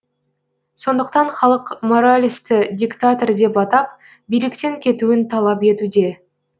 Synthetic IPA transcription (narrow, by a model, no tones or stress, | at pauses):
so̞nd̪əqt̪ɑɴχɑlˠəqmo̞ɾalʲijst̪ɪd̪ʲikt̪at̪ord̪e̞pɑt̪ɑp̚ | bijlɪkt̪e̞ŋkʲʰe̞t̪uɪnt̪ʰɑlˠɑpe̞t̪ud̪e̞